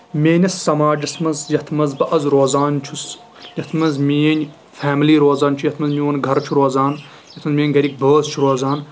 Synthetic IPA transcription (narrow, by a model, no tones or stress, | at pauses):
meːnʲɐsːɐmaːd͡ʒɐt̪ʰmɐzjɐt̪ʰmɐzbɐʔɐzɾoːzaːnt͡ʃʰus | jɐt̪ʰmɐzmijɐnʲ | faːmliːɾoːzaːnt͡ʃʰujɐt̪ʰmɐzmiwɐnɡʱɐɾt͡ʃʰuɾoːzaːn | jɐt̪ʰmɐzmiːɐnʲɡɐɾʲik̚bəːzt͡ʃʰuɾoːzaːn